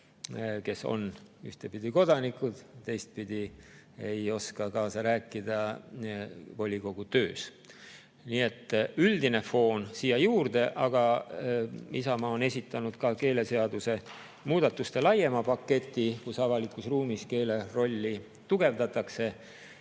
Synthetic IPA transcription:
ke̞so̰nyht̪e̞pid̪̥iko̞d̪ɑnikˑud̪̥t̪ːe̞jst̪̚pid̪̥i | ejo̞skɑkɑːsɑɾæːkˑːid̪̥ɑ | po̞lʲːiko̞ɡ̥ut̪ø̞ːs | niːe̞t̪ːˑyld̪ine̞fo̞ːnsiːjɑjuːrd̪e̞ʔɑɡ̥ɑ | isɑmɑːo̞ne̞sʲit̪ˑːɑnud̪̥kɑke̞ːle̞se̞ɑd̪use̞ | muːd̪̥ɑt̪ːˑust̪e̞lɑje̞mɑpɑkːe̞t̪ʲːˑikusɑvɑlikːˑusruːmiske̞ːle̞ro̞lʲːi | t̪uɡ̥e̞vd̪ɑt̪ˑɑkse̞

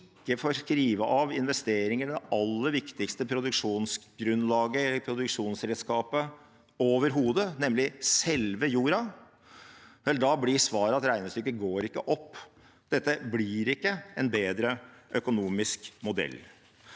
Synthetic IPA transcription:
kːəfoɾskɾiːʋəʔɑʋɪnʋɛst̪eːɾɪŋəɖ̪ɛʔɑlːəɾʋɪkt̪ɪkst̪əpʰɾʊd̪ʉkʂuːnsɡɾʉnlɑːɡəɛlːəɾpʰɾʊd̪ʉkʂuːnsɾɛːd̪skɑːpə | oːʋəɾɦuːd̪ənɛmlɪsɛlʋəjuːɾɑ | ʋɛld̪ɑblɪsʋɑːɾəɑt̪ɾæɪnəst̪ʏkːəɡoːɾɪkːəʔɔpː | d̪̥ɛt̪ːəblɪɾɪkːəɛnbeːd̪ɾəʔœkʊnuːmɪskmʊd̪ɛ̰lː

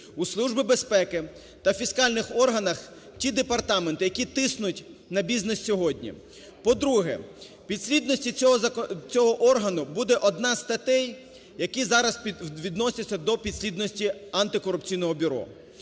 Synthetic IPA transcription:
uslˠuʒbɪbespɛkɪ | t̪ɐfʲiskɑlʲnɪxɔrɦɐnɐx | tʲid̪epɐrt̪ɑment̪ɪjɐkʲit̪ɪsnʊtʲnɐbʲiznɛssʲɔɦɔdʲnʲḭ | pɔd̪ɾuɦɛ̰ | pʲid̪ʲsʲlʲid̪nɔsʲtʲi | t͡sʲɔɦɔʔɔrɦɐnʊbud̪ɛʔɔd̪nɑst̪ɐt̪ɛj | jɐkizɑɾɐsʋʲid̪nɔsʲɐt͡sʲːɐd̪ɔpʲid̪sʲlʲid̪nɔsʲtʲiɐnt̪ɪkɔɾʊp̚t͡sʲijnɔɦɔbʲʊɾɔ̰

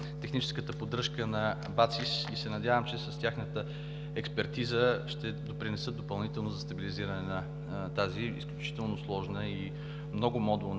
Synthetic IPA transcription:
t̪ɛxnit͡ʃɛskət̪əpod̪ɾɤʃkənɐ | bat̪sisisɛnɐd̪ʲjavəmt͡ʃɛsɐst̪ʲjaxnət̪ə | ɛkspɛɾt̪izəʃt̪ɛd̪opɾinɛsət̪d̪opɐlˠnit̪ɛlˠnozɐst̪ɐbiliziɾɐnɛnɐ | t̪aziḭsklʲut͡ʃi̥t̪ɛlˠnoslˠɔʒnəi | mnɔɡʊmɔd̪un

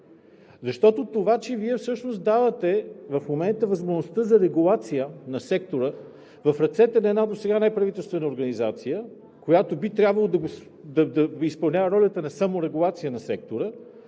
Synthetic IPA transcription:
zɐʃt̪ɔt̪ot̪ovat͡ʃɛviɛfsɤʃnosd̪avət̪ɛvɐfmomɛnt̪əvɐzmoʒnost̪əzɐɾɛɡulˠat̪sijənɐsɛkt̪oɾə | vɐfɾɐt̪sɛt̪ɛnɐɛd̪nad̪osɛɡanajpɾɐvit̪ɛlˠst̪vɛnəoɾɡɐnizat̪sijə | kojat̪obit̪ɾʲjabvɐlˠod̪ɐɡo | d̪ɐd̪ɐispɐlˠnʲavəɾɔlʲət̪ənɐsamoɾɛɡulˠat̪sijənɐsɛk̚t̪oɾə

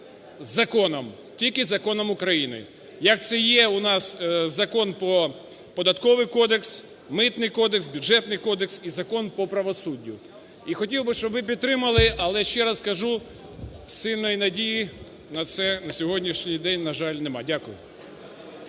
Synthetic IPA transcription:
zɐkɔnɔm | tʲilʲkɪzɐkɔnɔmʊkɾɐjinɪ̰ | jɐk̚t̪sɛjɛʊnɑszɐkɔnpɔ | pɔd̪ɐt̪kɔʋɪjkɔd̪eks | mɪt̪nɪjkɔd̪eksbʲjʊd͡ʒɛt̪nɪjkɔd̪eksizɐkɔnpɔpɾɐʋɔsudʲːʊ | ixɔtʲiwbɪʃt͡ʃɔbʋɪp̬ʲid̪t̪ɾɪmɐlˠɪɐlˠɛʃt͡ʃɛɾɐskɐʒu | sɪlʲnɔjinɐdʲiji | nɐt̪sɛnɐsʲɔɦɔdʲnʲiʃnʲijd̪ɛnʲnɐʒɑlʲnemɑdʲakʊjʊ̰

